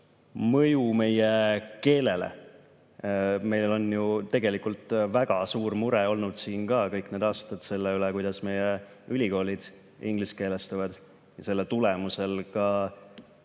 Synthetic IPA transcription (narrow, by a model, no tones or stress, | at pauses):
mɤ̞jume̞jeke̞ːle̞lḛ | me̞jllo̞njut̪e̞ɡ̥e̞likult̪ːˑvæɡ̥ɑsuːrmuɾeo̞lnud̪̥siːnkɑːkɤjkne̞ːd̪ɑːst̪ɑd̪̥se̞lːeylekujd̪̥ɑsme̞je | ylʲiko̞ːlʲid̪̥ | iŋɡ̥liske̞ːlest̪ɑvɑd̪̥ | jɑse̞lːet̪ule̞muse̞lkɑ